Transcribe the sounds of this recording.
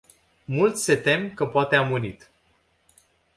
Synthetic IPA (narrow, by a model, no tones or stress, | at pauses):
mult̪sʲset̪e̞mkəpoat̪eamunit̪